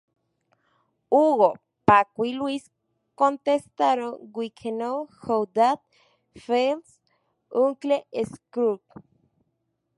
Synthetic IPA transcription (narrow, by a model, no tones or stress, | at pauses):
uɣo | pakʷilwis | kont̪est̪aɾoŋɡʷikʰenohowd̪at̪̚ | fels | uŋkleʔeskɾuk